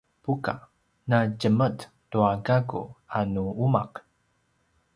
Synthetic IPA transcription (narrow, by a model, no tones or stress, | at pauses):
puka̰ | naɟəmət | tuaɡaɡṵanuumaq